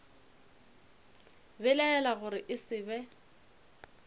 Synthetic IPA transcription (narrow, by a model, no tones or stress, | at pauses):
bɛlaɛlaɣʊɾɪʔɪsɪbɛ